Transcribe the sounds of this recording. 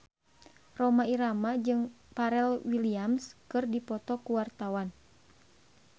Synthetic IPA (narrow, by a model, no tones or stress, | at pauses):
rɔmaiɾamad͡ʒɨŋ | paɾɛlwiliamskɨrdipɔt̪ɔkuwart̪awan